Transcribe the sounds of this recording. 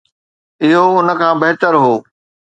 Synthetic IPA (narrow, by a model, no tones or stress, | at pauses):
ɪɦoʊnə̆kʰãːbɐɦɪt̪əɾɦoː